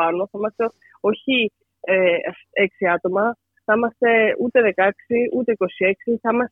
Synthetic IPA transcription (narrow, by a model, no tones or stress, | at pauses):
ɐnoθɐimɐst̪e̞ | o̞çi | e | e̞ksiɐt̪o̞mɐ | θɐimɐst̪e̞ut̪e̞ðe̞kɐksiut̪e̞iko̞sie̞ksiθɐimɐs